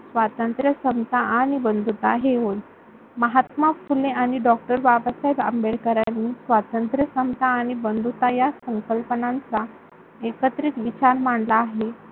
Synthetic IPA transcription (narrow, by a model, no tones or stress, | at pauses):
sʋat̪ənt̪ɾjəsəmt̪aʔaɽ̃ibənd̪ʱut̪aɦeɦoj | məɦat̪mafuleaɽ̃iɖɔk̚ʈəɾbabasajbə̰mbeɭkəɾjanːiːsʋat̪ənt̪ɾjəsəmt̪ʰaːɽ̃ibənd̪ʱut̪ajasəŋkəlpənãnt͡sa | ekət̪ɾiːt̪ʋit͡ɕaɾm̤aɳɖlaːɦe